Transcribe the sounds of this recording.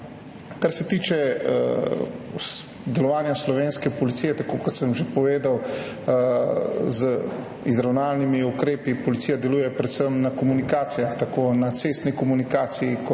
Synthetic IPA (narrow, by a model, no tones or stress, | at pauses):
kaɾsɛt̪iːt͡ʃɛ | d̪ɛlɔʋaːnjaslɔʋeːnskɛpɔlit̪siːjɛt̪akoːkɔt̪səmʒepɔʋeːd̪aw | zə | izɾawnaːlnimiukɾeːpipɔlit̪ijad̪ɛlujɛpɾɛt̪səmnakɔmunikaːt̪sijaxt̪akoːnat̪seːst̪nikɔmunikaːt̪sijikɔ